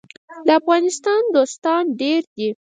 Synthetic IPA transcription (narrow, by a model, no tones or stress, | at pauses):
d̪əafɣɑnɪst̪ɑnd̪ost̪ɑnɖeɾd̪i